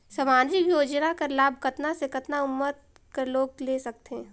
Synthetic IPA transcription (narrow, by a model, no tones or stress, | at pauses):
sɐmaːd͡ʒɪkjoːd͡ʒnakɐɾlaːbʱkɐt̪nasekɐt̪naʊmːət̪̚ | kɐɾloːɡ̚leːsɐk̚t̪eɦɛ̃